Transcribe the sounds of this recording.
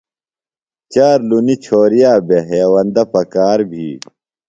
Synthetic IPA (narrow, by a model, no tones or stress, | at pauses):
t͡ɕaːɾlunit͡ɕʰoːɾijaːbeɦeːwɐnd̪ɐpɐkaːɾbʱḭː